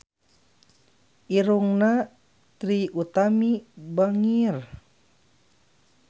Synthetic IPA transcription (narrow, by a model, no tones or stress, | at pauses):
ʔiɾuŋna | t̪ɾiut̪amibaŋir